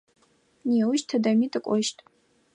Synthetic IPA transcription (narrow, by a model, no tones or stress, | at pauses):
niawʃtʰadamitʼakʷʼɔʃtʼ